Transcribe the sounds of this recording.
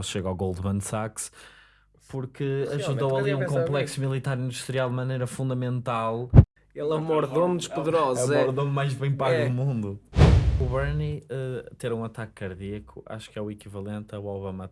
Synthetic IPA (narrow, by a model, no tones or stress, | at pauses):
sʃeɣawɣolˠd̪mɐ̃nd̪saks | puɾkɨɐʒuðowɐlˠiũkõmplˠɛksumilˠit̪aɾĩnd̪uʃt̪ɾialˠd̪mɐnejɾɐfũnd̪ɐmẽnt̪alˠ | ɛlˠɐmɔɾðomd̪ɨʃpuðɨɾɔzɔɾðõmmajʒβẽj̃paɣðumũnd̪uuβɛɾniɛt̪eɾũɐt̪akːɐɾðiɐkṵa̰ʃu̥kɛwikivɐlˠẽnt̪ɐwaβɐmɐ